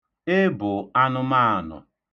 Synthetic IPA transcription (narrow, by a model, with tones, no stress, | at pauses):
e˦bʊ˨a˦nʊ˦ma˦a˨nʊ̰˨